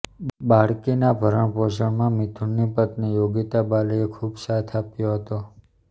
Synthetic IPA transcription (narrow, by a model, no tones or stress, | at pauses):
baɽkinabʱəɾəɳpoʃəɳmãmit̪ʰuɳːipət̪nijoɡit̪abaləekʰubsat̪ʰapjoɦət̪o